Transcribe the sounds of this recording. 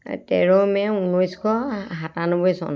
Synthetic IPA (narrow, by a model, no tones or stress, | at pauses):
tɛɹɔmɛunɔjskʰɔɦatanɔbɔjsɔ̰n